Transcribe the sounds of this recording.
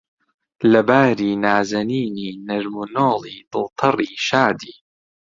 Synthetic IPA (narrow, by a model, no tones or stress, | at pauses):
lɐbaːɾiːnaːzɐniːniːnɐɾmunoːliːd̪ɨlt̪ʰɑrˤiːʃaːd̪iː